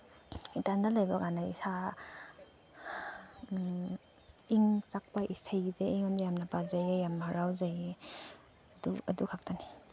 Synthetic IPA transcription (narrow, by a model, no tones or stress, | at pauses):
itandalajbaɡanaḭsa | iŋt͡ʃak̚paʔisajzeiŋandajamnapazajejamaɾawzaje | duɐ̰dukʰak̚tani